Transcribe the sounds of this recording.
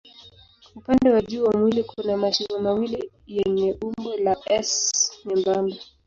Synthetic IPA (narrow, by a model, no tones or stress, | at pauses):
upandɛwaʄuːwamwilikunamaʃiɾɔmawili | jɛɲɛʔumbɔlaɛsɲɛmbamba